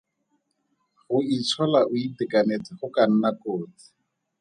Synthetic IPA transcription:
χʊit͡sʰɔlaʔʊitɪkʼanet͡sɪχʊkan̩nakoːt͡sɪ̥

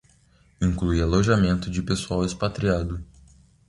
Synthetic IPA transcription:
ĩŋkluialoʒamẽnt̪ʊd͡ʒɪpesuawɪspat̪ɾiad̪ʊ

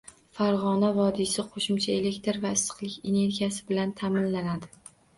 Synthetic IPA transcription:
faɾʁɒnavɒd̪ɪsɪqʰoʃʊmt͡ʃʰae̞le̞kʲt̪ɾvaɪsɨ̥qlˠɪkʲe̞ne̞ɾɡʲijasɪbɪlant̪ʰamɪnlanad̪ɪ

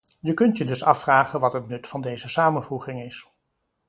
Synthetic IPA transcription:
jəkɵntjədɵsɑfraːχənʋɑtɦətnɵtfɑndejzəsaːmənvuχɪŋɪs

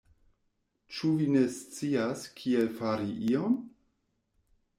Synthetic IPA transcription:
t͡ʃuvine̞st͡siaskʰielfaɾiʔion

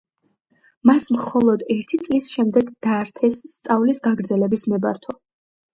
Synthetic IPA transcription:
masmχɔlˠɔd̪ɛɾt̪ʰit̪sʼlisʃɛmd̪ɛɡd̪̥aɾt̪ʰɛsːt̪sʼavlisɡaɡɾd̪zɛlɛbismɛbaɾt̪ʰɔ

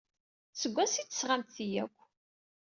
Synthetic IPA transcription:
səɡʷːæsit͡sːə̥sʁamt̪θijæ̰kʷː

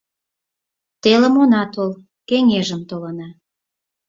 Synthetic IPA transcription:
t̪elə̆monɑt̪ol | keŋeʒəmt̪olənɑ

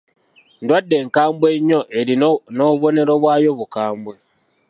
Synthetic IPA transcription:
ndwadːe̞ːŋkaːmbwe̞ɲːo̞ʔeɾinoβo̞ne̞ɾo̞βwaːjo̞βukaːmbwe

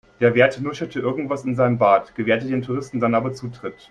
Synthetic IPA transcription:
d̥eːɐveːɐtnʊʃɐtʰəʔɪɐɡŋ̩tv̥asɪnzaɪnəmbaːtɡ̥əveːɐtədeːntʰuʁ̞ɪstn̩danʔaːbɐt͡suːtʁ̥ɪt

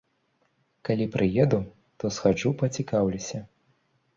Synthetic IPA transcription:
kalʲipɾʔɨjɛd̪u | t̪ɔsxad͡ʐupɐt͡sʲikawlʲisʲɐ

